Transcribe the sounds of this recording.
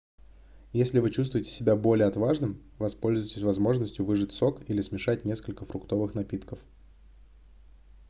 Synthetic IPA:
jesʲlʲɪvɨt͡ɕust̪vʊjɪtʲɪ̥sʲɪbʲabo̞lʲɪəɐt̪vaʐnɨm | vɐspo̞lʲzʊjɪtʲɪsʲvɐzmo̞ʐnəsʲtʲjʊvɨʐɨtʲso̞kilʲɪsmʲɪʂatʲnʲeskəlʲkəfɾʊkt̪o̞vɨxnɐpʲit̪kəf

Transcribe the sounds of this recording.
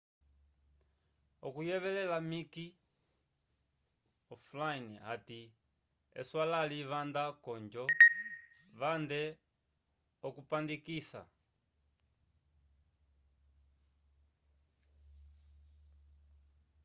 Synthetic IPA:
ɔkujɛβɛlɛlamiki | ɔflainiati | ɛ̰swalaliβandakɔɲd͡ʒɔ | βandɛ | ɔkupandikisa̰

